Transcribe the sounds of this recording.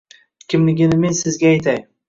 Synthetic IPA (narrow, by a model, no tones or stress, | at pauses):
kʲʰɪmlɪɡʲɪnɪme̞nsɪzɡʲaːjt̪ʰaj